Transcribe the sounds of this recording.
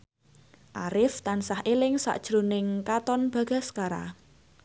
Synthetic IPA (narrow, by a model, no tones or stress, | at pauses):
ʔaɾɪft̪ansahʔelɪŋsa̰ʔd̥ʒ̥ɾonɪŋkat̪ɔnb̥ä̤ɡ̥a̤skaɾa̰